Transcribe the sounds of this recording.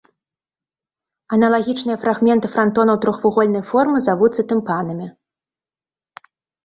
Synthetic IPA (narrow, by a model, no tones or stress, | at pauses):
ɐnɐlˠaɣʲit͡ʂnɨjɐfɾaɣmʲɛnt̪ɨfɾant̪ɔnɐwt̪ɾɔxvuɣɔlʲnɐjfɔrmɨzavut̪sːɐt̪ɨmpanɐmʲi